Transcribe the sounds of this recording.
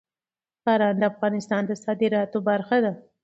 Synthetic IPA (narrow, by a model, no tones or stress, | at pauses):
kɑɾɑnd̪əafɣɑnɪst̪ɑnd̪əsɑd̪ɪɾɑt̪obaɾxad̪a